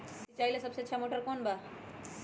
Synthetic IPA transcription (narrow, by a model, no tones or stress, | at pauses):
d͡ʒit͡ʃaːilesɐbseətːʃʰamoːʈəɾkoːnba